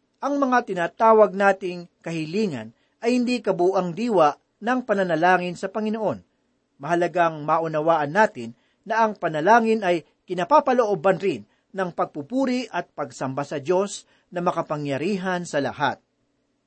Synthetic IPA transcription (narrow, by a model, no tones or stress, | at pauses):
ʔɐŋmɐŋat̪ɪnaːt̪aːwɐɡ̚naːt̪ɪŋkɐhɪliːŋɐ̰n | ʔɐjhɪnd̪ikɐbuːʔɐŋd̪iːwɐʔ | nɐŋpɐnɐnɐlaːŋɪnsɐpɐŋɪno̞ʔo̞n | mɐɦɐlɐɡaŋmaʔʊnɐwaːʔɐnːaːt̪ɪnː | ɐʔɐŋpɐnɐlaːŋɪnɐj | kɪnapapɐloʔobɐnɾɪnː | ɐŋpɐɡ̚pupuːɾɪʔɐt̪̚pɐɡ̚sɐmbasɐd̪jo̞s | nɐmɐkɐpɐŋjɐɾiːɦɐnsɐlɐ̰ha̰t̪̚